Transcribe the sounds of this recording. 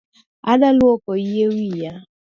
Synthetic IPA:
adalʊɔkɔiɦewija

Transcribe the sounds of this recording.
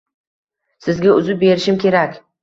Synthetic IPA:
sɪzɡʲaʊzɪp̚be̞ɾɪʃɪmkʲʰe̞ɾakʲ

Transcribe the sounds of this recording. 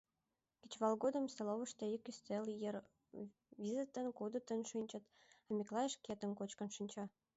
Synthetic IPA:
kʲe̥t͡ɕβɑlɣod̪ə̆mseloβə̆ʃt̪eikyst̪eljer | βʲizit̪ːənkud̪ə̆t̪ənʃinʲt͡ɕə̆t̪əmʲiklɑjeʃket̪ə̆nkot͡ɕkə̆nʃinʲt͡ɕɑ

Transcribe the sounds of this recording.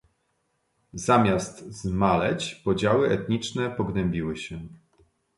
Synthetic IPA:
zamʲjast̪zmalɛt͡ɕpɔd͡ʑawɘʔɛt̪ɲit͡ʂnɛpɔɡnɛmʲbʲiwɘɕɛ

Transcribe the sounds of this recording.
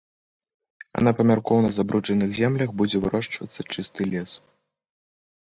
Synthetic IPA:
ɐ̰napɐmʲarkɔwnɐzabɾut͡ʂɐnɨɣzʲɛmlʲɐxbud͡zʲɛvɨɾɔʂt͡ʂvɐt̪sːɐt͡ʂɨst̪ɨlʲɛs

